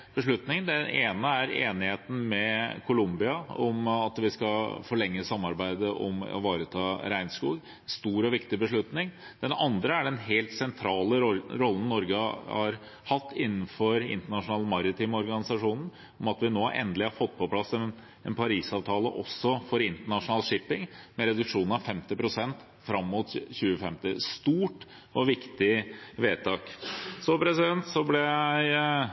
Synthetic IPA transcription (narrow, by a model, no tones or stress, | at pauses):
b̥əʂɭʉt̪nɪŋd̪ɛnʔeːnəæɾeːnɪheːt̪n̩mɛkʰʊlʊmbɪɑɔmɑt̪ʋɪskɑfɔɭɛŋːəsɑmːɑɾbæɪd̪əʔɔ̰mɔ̰ʋɑːɾət̪ʰɑːɾæɪnskuːɡ | nst̪uːɾɔʋɪkt̪ɪbəʂɭʉt̪nɪŋ | d̪̥ɛnɑnd̪ɾəæɖɛnɦelt̪sɛnt̪ʰɾɑːləɾɔlːn̩ːɔɾɡəhɑ̰ɾ | hɑt̪ːɪnːn̩fɔɾɪ̰nt̪əɳɑʂʊnɑːlmɑɾɪt̪ʰiːmɔɾɡɑnɪsɑʂuːnn̩ | ɔmɑt̪ʋɪnoːʔɛ̰nd̪əlɪhɑɾfɔt̪̚ːpʰɔpʰlɑsɛn | ɛnpʰɑɾiːsɑːʋt̪ʰɑːlə̰ʔɔ̰sːɔfɔɾɪnt̪əɳɑʂʊnɑːlʂɪpɪŋmɛɾɛd̪ʉkʂuːnn̩ɑʋfɛmt̪ɪpɾʊsɛnt̪ | fɾɑmːʊt̪çʉːəfɛmt̪ɪst̪uːʈ | ʔɔʋɪkt̪ɪʋeːt̪ʰɑːksɔpʰɾɛsɪd̪ɛnt̪sɔblɛæɪ